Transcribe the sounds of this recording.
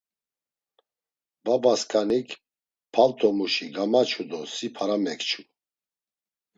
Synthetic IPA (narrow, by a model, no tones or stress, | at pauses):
babaskʰanikʰ | pʰalt̪ʰɔmuʃiɡamat͡ʃʰud̪ɔsipʰaɾamɛkʰt͡ʃʰu